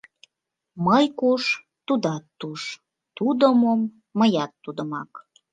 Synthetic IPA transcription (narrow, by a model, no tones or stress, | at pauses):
məjkuʃ | t̪ːud̪ɑt̪ːuʃ | t̪ud̪əmomː | əjɑt̪ːud̪əmɑ̰k